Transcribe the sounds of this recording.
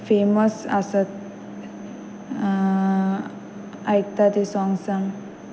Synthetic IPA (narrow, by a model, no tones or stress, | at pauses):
feməsasət̪ | ajk̚t̪at̪isɔŋɡsãŋ